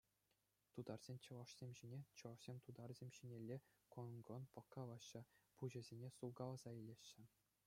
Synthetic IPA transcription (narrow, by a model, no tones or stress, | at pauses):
t̪ud̪ɑrz̥ʲenʲt͡ɕɤ̆ʋɑʂsʲemʲʑinʲet͡ɕɤ̆ʋɑʂsʲemʲt̪ud̪ɑrzʲemʲɕinʲelʲːe | konɡŏnpɤ̆kːɑlɑɕːɤ̆puʑɘ̆zʲenʲesulɡɑlˠɑzɑilʲeɕːɘ̆